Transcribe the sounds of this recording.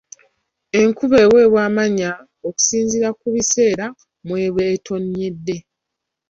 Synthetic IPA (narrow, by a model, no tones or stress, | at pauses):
e̞ŋkuβe̞ːwe̞ːβwaːmaɲa | oku̥siːnziɾakuβise̞ːɾa | mwe̞ːβweːtʰo̞ɲːe̞dːe̞